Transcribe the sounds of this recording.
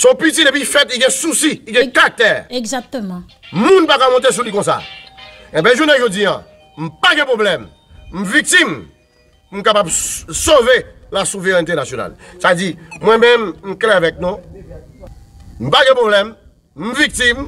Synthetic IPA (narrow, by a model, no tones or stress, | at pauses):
sɔ̃pit̪idep̬ifɛt̪iɡɛ̃susiiɡɛ̃kat̪ɛɡzat̪m̃ | mũnpakamɔ̃t̪̬es̬ulikɔ̃s̬a̰ | ɛ̃bɛ̃ʒunɛ̃ʒodiã̰ | m̩̃paɡɛ̃pʁoblɛm | m̩vik̚t̪im | mũkapabsove | lasuveʁɛnt̪̬enasjona̰lsavedimwɛ̃mɛ̃mm̩kleavɛk̚nũ | m̩̃paɡɛ̃pʁoblɛm | m̩vik̚t̪im